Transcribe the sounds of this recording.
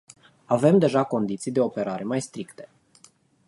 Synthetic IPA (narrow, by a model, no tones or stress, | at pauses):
ave̞md̪e̞ʒako̞nd̪it̪sijd̪e̞o̞pe̞ɾaɾe̞majst̪ɾikt̪e̞̥